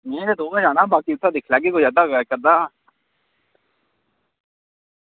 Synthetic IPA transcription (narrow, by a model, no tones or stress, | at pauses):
mẽːɾed̪oːkãd͡ʒaːnãːbaːkiʊt̪ʰːad̪eːkʰlaːɡeːkozaːd̪aːɡəkəɾd̪aː